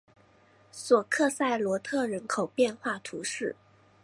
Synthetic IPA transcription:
swɔ˨˩kʰɤ˥˧sa˥˩ɪlwɔ˧˥t̪ʰɤ˥˩ɻə˧˥nkʰo˨˩ʊpjɛ˥˧nxwa˥˩t̪ʰu˧˥ʂɻ̩˥˩

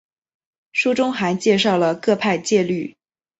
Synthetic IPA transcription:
ʂu˥ʈ͡ʂʊ˥ŋxa˧˥ɪt͡ɕjɛ˥˧ʂɑ˥˩ʊlə˩kɤ˥˧pʰa˥˧ɪt͡ɕjɛ˥˧ly˥˩

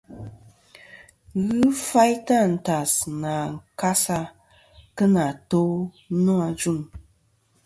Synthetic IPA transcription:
ɣɨ˦fa˦jta˦˨n̩˨ta˨sna˨ŋ̩˨ka˦sa˦ | kə˦na˨to˦ | nɔ˦a˨d͡ʒu˦˨ŋ

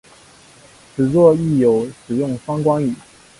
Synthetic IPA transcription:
ʈ͡ʂʰɻ̩˨˩t͡swɔ˥˧i˥˩jo˨˩ʊʂɻ̩˨˩jʊ˥˩ŋfɑ˥ŋkwɑ˥ŋi˨˩˦

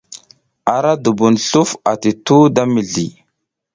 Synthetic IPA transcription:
a˨ɾa˦du˨bu˨nɬu˦fa˨ti˨tu˦da˦mi˨ɮi˨

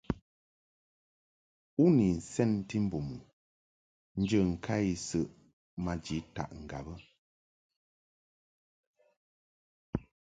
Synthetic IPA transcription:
u˦ni˨n̩˨sɛ˦n̩˦ti˦m̩˦bu˨mu˨ | n̩˦d͡ʒə˦˨ŋ̩˨kʰa˦i˦˨sə˦˨ʔ | ma˨d͡ʒi˨˦ta̰˨ʔŋ̩˨ɡa̰˨bə˦

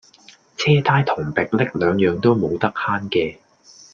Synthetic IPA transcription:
t͡sʰɛː˥t̪ʰaː˥jt̪ʰʊ˨˩ŋpɪ˨k̚lɪ˥k̚lœː˨˧ŋjœː˨˧ŋt̪o˥wmo˨˧wt̪ɐ˥k̚haː˥nkɛː˧

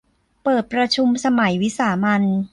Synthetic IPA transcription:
pɤː˨˩t̪̚pɾa˧t͡ɕʰu˧msa˧ma˩˦jwi˦˥saː˩˦ma˧n

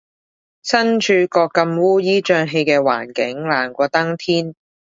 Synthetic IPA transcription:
sɐ˥nt͡ʃʰyː˧kɔː˧kːɐ˧mwuː˥jiː˥t͡ʃœː˧ŋɦe˧jkɛː˧wa̰ː˨˩nkɪ˨˥ŋlaː˨˩ŋkʷɔː˧t̪ɐ˥ŋt̪ʰiː˥n

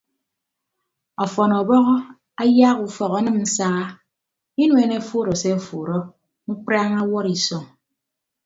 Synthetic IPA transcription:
ɔ˨fɔ˨nɔ˨bɔ˦ɣɔ˦ | a˦ja˦ɣu˨fɔ˨ɣɔ˨˦nɨ˦mn̩˦saː˦ | i˦nwe˨ne˦fu˦˨ɾɔ˨se˦˨fu˨ɾɔ˦ | ŋ͡m̩˦k͡pɾa˦ŋa˦wɔ˦ɾi˨sɔ˨ŋ

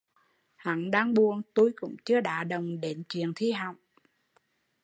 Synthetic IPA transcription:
ha̰˧˨˦nɗaː˧ŋɓu˨˩ənt̪u˧jkʊ̰˧˥ŋ͡mt͡ɕɨ˧əɗa̰ː˧˥ɗə˨˩wŋ͡mɗe˨˦nt͡ɕwḭ˧˨ənt̪ʰi˧ɦa˨wŋ͡m

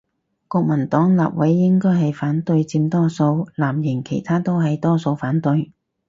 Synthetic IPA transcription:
kɔː˧k̚mɐ˨˩nt̪ɔː˨˥ŋla̰ː˨p̚wɐ˨˥jːɪ˥ŋkɔː˥jɦɐ˨jfaː˨˥nt̪ɵ˧ɥt͡siː˧mt̪ɔː˥so˧wlaː˨˩mjɪ˨˩ŋkʰe˨˩jt̪ʰaː˥t̪o˥wɦɐ˨jt̪ɔː˥so˧wfaː˨˥nt̪ɵ˧ɥ

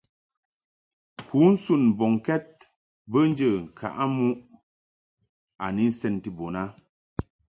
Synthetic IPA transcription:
kʰu˨˦n̩˦su˦˨n˨bɔ˨ŋkɛ˦t̚ | bə˦n̩˦d͡ʒə˦˨ŋ̩˨kʰa̰˨ʔa˦mu˦ʔ | a˨ni˦n̩˦sɛ˦˨nti˦bo˨na˦

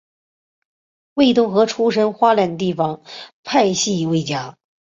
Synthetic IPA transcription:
we˥˧ɪt̪̬ʊ˥˩ŋxɤ˧˥ʈ͡ʂʰu˥ʂə˥nxwa˥lja˧˩nd̪ə˩t̪i˥˩fɑ˨˩ŋpʰa˥˧ɪɕi˥˩we˥ɪt͡ɕja˥

